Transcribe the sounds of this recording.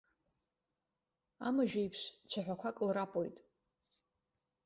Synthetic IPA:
a̰maʒᶣajpʰʃt͡ɕʷʰaħʷᶣakʷʰakʼɨlrapʼo̰jtʼ

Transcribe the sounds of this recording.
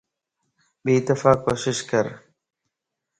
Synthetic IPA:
biːt̪ɪfaːkoːʃɪʃkəɾ

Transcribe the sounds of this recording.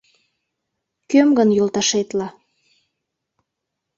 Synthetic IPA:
kømɡənjolt̪ɑʃet̪lɑ

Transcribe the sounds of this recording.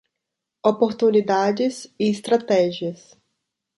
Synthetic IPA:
opoɾt̪unid̪ad͡ʒɪsɪɪst̪ɾat̪ɛʒiɐs

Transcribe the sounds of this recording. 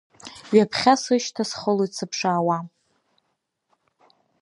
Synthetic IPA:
ɥapʰχʲasɨʃtʰasχəloit͡sʰɨpʰʂaːwa

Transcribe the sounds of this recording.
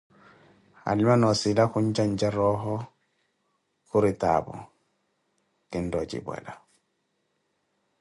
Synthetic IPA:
a̰limanɔsilaxuɲt͡ʃaɲd͡ʒaɾɔɦɔ | kuɾita̰bɔ̰ | kindɔt͡ʃḭbwɛ̰la

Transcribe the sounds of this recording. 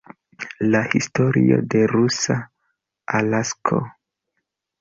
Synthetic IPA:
lahisto̞ɾio̞̰de̞ɾusa | alaskʰo̰

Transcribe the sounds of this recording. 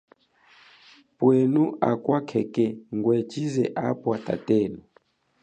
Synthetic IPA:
pwenuʔakwakʰɛkɛŋɡwɛt͡ʃizɛʔapwata̰tɛːnu

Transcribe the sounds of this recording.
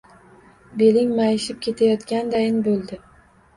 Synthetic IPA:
be̞lɪŋʲmajɪʃɪp̚kʲʰe̞t̪ʰajɒt̪kʲand̪ajɪnbolˠd̪ɪ

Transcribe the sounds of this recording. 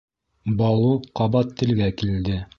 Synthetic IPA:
bɑlˠuqɑβɑt̪ːɘ̆lɡækild̪ɘ

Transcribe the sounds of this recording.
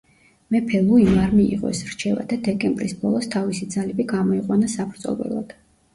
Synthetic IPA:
mɛpʰɛlˠuimaɾmiḭʁɔ̰ɛsɾt͡ʃʰɛva̰d̪ad̪ɛkʼɛmbɾisbɔlˠɔst̪ʰavisid̪zalɛbiɡamɔiqʼwanasabɾzʼɔ̰lvɛ̰lˠa̰d̪̥

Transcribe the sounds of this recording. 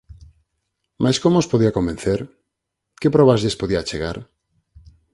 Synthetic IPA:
mʔajskomospoðiakombenθeɾ | kepɾɔβazʎespoðiat͡ʃeɣa̰ɾ

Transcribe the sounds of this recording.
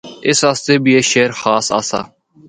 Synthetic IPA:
ɪsast̪eːbieːʃeːɾxaːsa̰ːsa̰ː

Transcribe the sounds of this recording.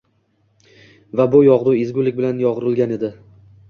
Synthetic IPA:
vabʊjɒʁd̪ʊɪzɡʲʊlɪk̚ʲbɪlanjɒʁɾɪlˠɡʲane̞d̪ɪ

